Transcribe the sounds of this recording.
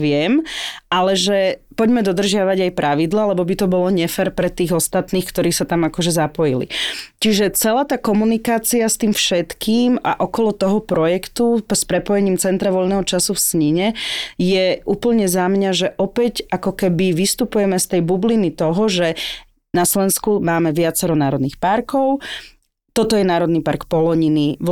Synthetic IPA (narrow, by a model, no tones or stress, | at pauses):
ʋɪɛmʔalɛʒɛpɔɟmɛd̪ɔd̪r̩ʒɪaʋaɟajpɾʔaʋid̪laːlɛbɔbit̪ɔbɔlɔɲɛfɛɾpɾɛt̪iːɣɔst̪at̪niːxkt̪ɔɾiːsat̪amakɔʒɛzapɔjilḭt͡ʃiʒɛt͡sɛlaːt̪aːkɔmunikaːt͡siast̪iːmfʃɛt̪kiːma̰ʔɔkɔlɔt̪ɔɦɔpɾɔjɛkt̪uspɾɛpɔjɛɲiːmt͡sɛnt̪ɾaʋɔʎnɛːɦɔt͡ʃasufsɲiɲɛjɛuːpl̩ɲɛzamɲaʒɛʔɔpɛɟakɔkɛbiʋist̪upujɛmɛst̪ɛjbublinit̪ɔɦɔʒɛ | naslɛnskumaːmɛʋɪat͡sɛɾɔnaːɾɔd̪nixpaɾkɔʊ | t̪ɔt̪ɔjɛnaːɾɔd̪nipa̰ɾkpɔlɔɲiniʋ